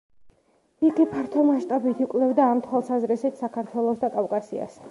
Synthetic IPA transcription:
iɡipʰaɾt̪ʰɔmaʃt̪ʼabit̪ʰikʼlɛvd̪aːmt̪ʰwalˠsazɾɛsit̪ʰsakʰaɾt̪ʰwɛlˠɔsd̪akʼafkʼasia̰s

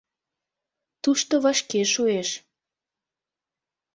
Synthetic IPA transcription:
t̪uʃt̪oβɑʃkeʃueʃ

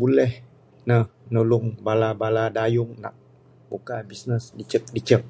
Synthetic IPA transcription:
bulɛh | nəhnulʊŋbalabaladajʊŋna̰k̚ | bukabisnəsdit͡ʃək̚dit͡ʃək̚

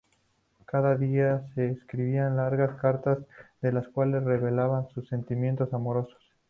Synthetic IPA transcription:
kaðaðiase̞ːskɾiβianlaɾɣaskaɾt̪azðe̞laskwale̞sre̞βe̞laβansusːe̞nt̪imje̞nt̪o̞samo̞ɾo̞so̥s

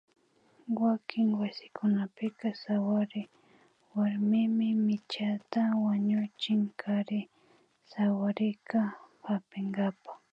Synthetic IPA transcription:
wakʰɪŋwasɪ̥kʊnapɪkasawaɾɪ | waɾmɪmɪmɪt͡ʃat̪awaɲʊt͡ʃɪŋkʰaɾɪ | sawaɾɪkapapɪŋɡapa

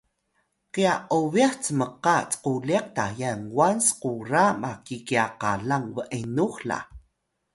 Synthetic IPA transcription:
qiaʔoviaxt͡səməqat͡sə̥qulieq̚tajaŋwansquramakikiaqaɮaŋvəʔenuxla̰

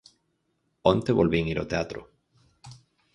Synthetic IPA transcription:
ont̪eβolβiŋiɾot̪eat̪ɾo̰

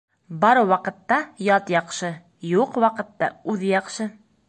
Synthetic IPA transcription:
bɒɾɤwɒqɤ̆t̪ːɑjɒt̪jɒqʃɤ | juqwɑqɤ̆t̪ːɑ̰ʉðɘjɒqʃɤ

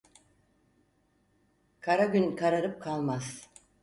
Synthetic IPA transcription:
kʰaɾaɟʲynkʰaɾaɾɯp̚kʰalˠmaz̥

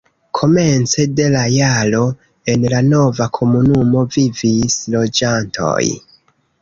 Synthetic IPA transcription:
kʰo̞me̞nt͡se̞de̞lajalo̞ | e̞nlano̞vakʰo̞munumo̞vivislo̞d͡ʒantʰo̞̰j

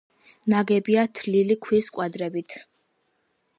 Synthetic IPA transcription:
naɡɛbiat̪ʰlilikʰwiskʼwad̪ɾɛbit̪ʰ

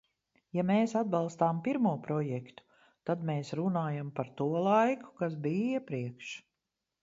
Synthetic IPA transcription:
jameːsad̪̚bɑlˠst̪aːmpiɾmuɔpɾɔjɛkt̪u̥ | t̪ad̪meːsɾunaːjampaɾt̪uɔlˠajku̥kas̬biːiɛpɾiɛkʃ

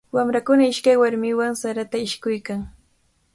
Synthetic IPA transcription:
wamɾakʊnaɪʃkajwaɾmɪwaŋsaɾat̪aɪʃkʊjkaŋ

